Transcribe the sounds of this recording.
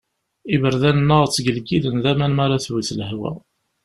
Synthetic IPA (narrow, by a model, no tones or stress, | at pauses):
ivəɾðænənːəʁət͡sːɡəlkiðənðæmænmæɾˤaθwiθləhwæ̰